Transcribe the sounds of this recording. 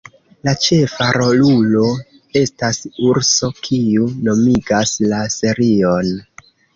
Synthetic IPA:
lat͡ʃe̞faɾo̞lulo̞ | e̞stasuɾso̞kʰiuno̞miɡaslase̞ɾio̞n

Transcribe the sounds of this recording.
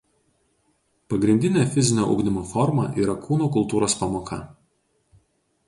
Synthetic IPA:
pɐɡɾʲɪnʲd̪ʲɪnʲeːfʲɪzʲɪnʲoːʔɐ̰ʊɡd̪ʲɪmoːfɔɾmɐ̰ʔiːɾɐkʰuːnuːkʊlˠt̪uːɾoːspɑmoːkʰɐ̰

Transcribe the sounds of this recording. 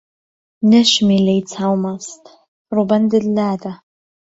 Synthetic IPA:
nɨʃʷmilejt͡sʰawmastʼ | rubandɨlːada

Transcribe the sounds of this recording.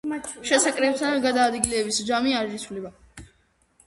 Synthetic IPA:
ʃɛsakʼɾɛb̚sʰaaɡad̪aːd̪ɡilɛːbisd͡ʒamiaɾɾisʰulɛba

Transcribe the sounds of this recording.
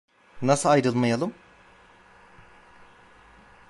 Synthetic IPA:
nasɯajɾɯlˠmajalˠɯm

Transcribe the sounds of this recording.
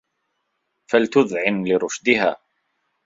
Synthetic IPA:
falt̪ʊðʕɪnlɪɾʊʃd̪ɪhaː

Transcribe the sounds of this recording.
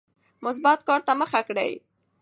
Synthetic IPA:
mʊs̬bat̪kɑɾt̪aməxakɽə̰j

